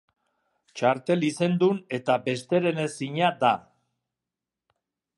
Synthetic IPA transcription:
t͡ʃaɾt̪e̞lise̞nd̪une̞t̪abe̞st̪e̞ɾe̞nesiɲad̪a

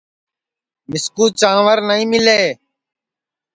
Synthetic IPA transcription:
mɪskuːt͡ʃãːʋəɾnəĩːmɪleː

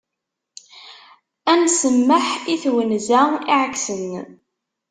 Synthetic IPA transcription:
ænsəmːəħiθwənzæiʕəkːsən

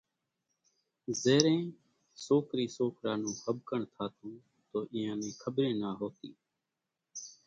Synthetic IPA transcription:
zeːɾẽː | soːkɾiːsoːkɾaːnũːhəbʱkəɳt̪ʰaːt̪ʰũː | t̪oːʔɪːãːnẽːkʰəbɾẽːnaːɦoːt̪ḭː

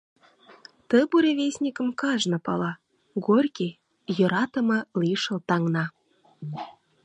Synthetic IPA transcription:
t̪ə̆buɾʲevʲesʲnʲikə̆mkɑʒnɤ̆pɑlɑ | ɡorʲkʲe | jɤ̆ɾɑt̪ə̆mɤ̆liʃɤ̆lt̪ɑŋnɑ

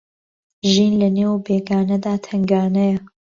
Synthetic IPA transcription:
ʒiːnlɐneːwbeːɡaːnɐd̪aːt̪ʰɐŋɡaːnɐjɐ

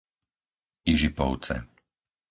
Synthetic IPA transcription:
iʒipɔ̰ʊt͡sɛ̰

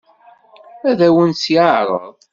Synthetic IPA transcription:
æðæwənsjaʕɾˤə̰ðˤ

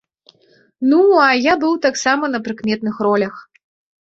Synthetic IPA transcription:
nuɐjabɨwt̪aksamɐnɐpɾɨkmʲɛt̪̚nɨxrɔlʲɐx

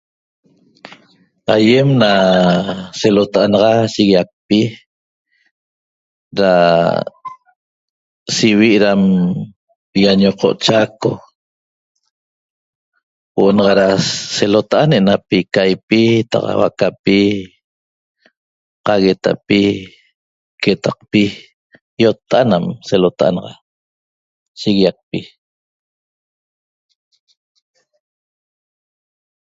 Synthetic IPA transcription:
ajemna | selot̪aʔanɑʁɑsiɣiak̚pi | ɾa | siwiʔɾam | ijaɲoqo̰ʔt͡ʃako | woʔonɑʁɑɾaselot̪aʔanenapikajpit̪a̰qa̰wa̰kapi | qɑɣet̪a̰pi | ket̪aq̚pi | jot̪ːaanamselot̪aʔa̰nɑʁɑ̰ | ʃiɣijaq̚pi

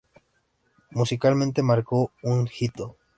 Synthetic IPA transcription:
musikalmẽnt̪e̞maɾko̞uŋxit̪o

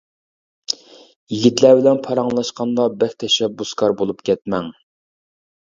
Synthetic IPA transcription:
jiɡʲit̪læbɪlɛnpʰɑɾɑŋlˠɑʃqɑnd̪ɑbækʲt̪ʰɛʃɛbːuskʰɑɾbolˠupkʲɛt̪̚mɛŋ

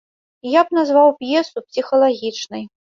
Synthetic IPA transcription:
jabnazvawpjɛsupsʲixɐlˠaɣʲit͡ʂnɨj

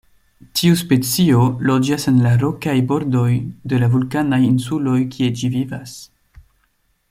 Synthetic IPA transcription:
tʰiuspe̞t͡sio̞lod͡ʒasenlaɾo̞kajbo̞ɾdo̞jdelavulkanajinsulo̞jkʰied͡ʒivivas

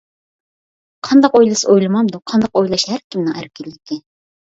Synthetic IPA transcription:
qʰɑnd̪ɑqojlˠɨsɨojlˠɨmɑmd̪ʊqʰɑnd̪ɑqojlˠɑʃhæɾkʲʰimnɪŋæɾkʲɪlːɪkʲɪ

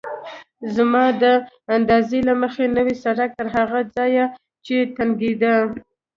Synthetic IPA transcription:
zmɑd̪ə | and̪ɑzelaməxenəwisaɽak̚t̪əɾɦaɣad͡zɑja | t͡ʃet̪aŋɡid̪a

